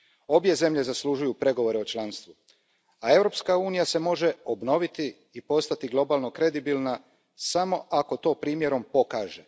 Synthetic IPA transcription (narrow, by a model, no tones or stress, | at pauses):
o̞bje̞ze̞mʎe̞zaslˠuʒujupɾe̞ɡo̞ʋo̞ɾeo̞t͡ʃlˠanst̪ʋu | ae̞ʋɾo̞pskauːnijase̞mo̞ʒe̞o̞bno̞ʋit̪iː | po̞st̪at̪iɡlˠo̞baːlˠno̞kɾe̞d̪ibilˠna | samo̞ʔako̞t̪o̞ːpɾiːmje̞ɾo̞mpo̞kaːʒe̞